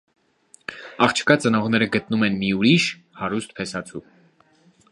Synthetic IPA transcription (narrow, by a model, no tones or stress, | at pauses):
ɑχt͡ʃʰə̥kɑt͡sənɔʁnɛɾəɡət̪numɛnmiuɾiʃ | hɑɾust̪̚pʰɛsɑt͡sʰu